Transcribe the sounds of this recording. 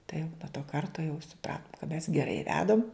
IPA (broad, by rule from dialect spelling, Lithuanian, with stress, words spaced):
tɐɪ jɛʊ nuɔ toː ˈkɐrtoː jɛʊ sʊˈprɑːtʊm kɐt mʲɛs ɡʲɛˈrɐɪ ˈʋʲæːdɐm